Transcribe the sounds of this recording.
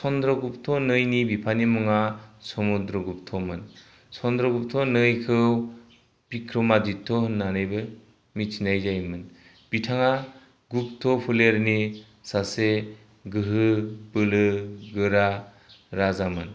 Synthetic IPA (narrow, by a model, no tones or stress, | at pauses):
sɔnd̪ɾɔɡup̚tʰɔnɯjnibipʰanimɯŋasɔmud̪ɾɔɡup̚tʰɔmɯn | sɔnd̪ɾɔɡup̚tʰɔnɯjkʰɯw | pikʰɾɔmaditʰːɔɦɯnːanɯjbɯ | mit͡ʃinajzajmɯn | bitʰaŋa | ɡup̚tʰɔpʰuleɾni | sase | ɡɯɦɯbɯlɯɡɯɾa | ɾazamɯn